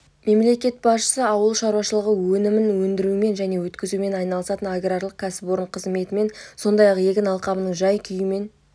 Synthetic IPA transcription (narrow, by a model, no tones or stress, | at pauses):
me̞mle̞kʲe̞t̪̚bɑsʃə̥səɑwəlˠʃɑɾwɑʃəlˠəʁəwɵnɪmɪnwɵnd̪ɪɾuɪme̞nʒæne̞wɵt̪kʲɪzume̞nɑjnɑlˠəsɑt̪ənaɡrarlˠəq̚kʲʰæsɪ̥pwoɾəɴqʰəzme̞t̪ɪme̞nso̞nd̪ɑjɑqje̞kʲɪnɑlˠqɑmənəɴʒɑjkʲʰʏjɪme̞n